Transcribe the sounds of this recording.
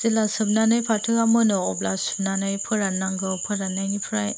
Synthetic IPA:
z̥ilasɯb̚nanɯjpʰatʰɯamɯnɔɔblasɯb̚nanajpʰɯɾanaŋɡɯpʰɯɾanaŋipʰɯɾaj

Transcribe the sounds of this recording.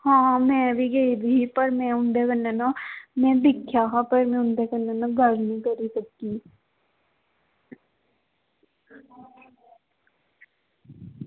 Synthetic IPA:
hãːmɛ̃ːbʱiɡɐib̪ʱipɐɾmɛ̃ʊ̃nd̪ekənːanamɛ̃d̪ɪkʰːjaɦapɐɾmɛ̃ʊ̃nd̪ekənːanãɡəɽnĩkɐɾisəkːi

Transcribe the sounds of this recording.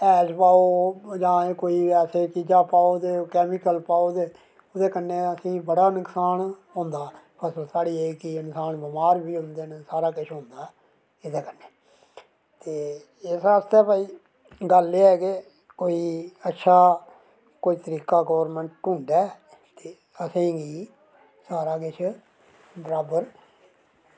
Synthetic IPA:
ɛːd͡ʒpaːoːd͡ʒãːekoːiːɛːseːt͡ʃid͡ʒaːpaːoːd̪eːkɛːmiːkəlpaːoːd̪eː | od̪eːkənːẽːəsĩːbəɽaːnəksaːnɦʊ̃nd̪aːpʰəsəlsaːɽiːeːkɪɪnsaːnbɪmaːɾbiːɦʊ̃nd̪eːnəsaːɾaːkɪʃʰɦʊ̃nd̪aː | ɪd̪eːkənːeː | t̪eː | ɪsaːst̪eːpaːiː | ɡəlːeɛːke | koːiːətːʃʰaː | koːiːt̪əɾiːkaːɡɔːʋəɾmə̃ɳʈːũːɳɖɛː | t̪eː | əsĩːɡiː | saːɾaːkɪt͡ʃʰ | bəɾaːbəɾ

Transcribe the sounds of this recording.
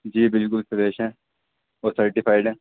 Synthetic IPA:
d͡ʒiːbɪlkʊlsɐd̪eːʃɦɛ̃ | oːsɐɾʈifaːɪɖɛ̃ː

